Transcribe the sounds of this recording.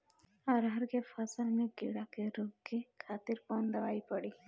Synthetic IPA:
aɾɦaɾɡefʰasəlmeɡiɽakeɾubkekʰat̪iɾpɔnd̪ɛwajpɔɽi

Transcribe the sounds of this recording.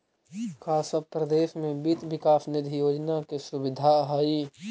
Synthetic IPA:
kʰaːsəpɾɐd̪eːʃmẽbit̪bɪkaːfnɪd̪ʱijoːd͡ʒnakesʊbɪd̪ʱaɦaːi

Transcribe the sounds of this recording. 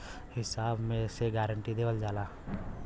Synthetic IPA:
hɪsaːbmẽseɡɛːɾə̃ɳʈid̪eːʋəld͡ʒaːlaː

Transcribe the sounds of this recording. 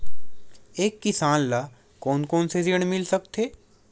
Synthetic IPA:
eːkːɪsaːnla | kɔːnkɔːnsed͡ʒeɽ̃mɪlsək̚t̪ʰeː

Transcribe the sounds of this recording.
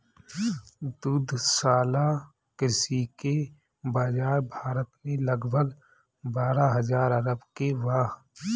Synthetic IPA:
d̪ʊd̪ʱsaːla | kɪsike | baːd͡ʒaːɾbʱaːɾət̪mẽlɐɡbʱəɡ | baːɾaɦɐzaːɾɐɾəbkeʋaːɦ

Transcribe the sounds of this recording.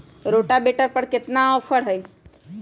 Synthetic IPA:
ɾoːʈabeːʈəɾpəɽkɪt̪nãəfəɽɦəi

